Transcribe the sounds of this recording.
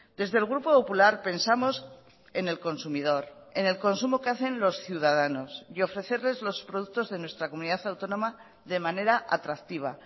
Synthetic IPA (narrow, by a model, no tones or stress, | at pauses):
d̪e̞zðelɣ̞ɾupo̞populaɾpe̞nsamo̞s | e̞ne̞lko̞nsumið̞o̞ɾe̞ne̞lko̞nsumo̞keaθe̞nlo̞sθjuð̞að̞ano̞sjo̞fɾe̞θe̞ɾle̞zlo̞spɾoðukt̪o̞zðe̞nwe̞st̪ɾako̞muniðaθawt̪o̞nõ̞ma | ðe̞mãne̞ɾaʔa̰t̪ɾak̚t̪iβ̞a̰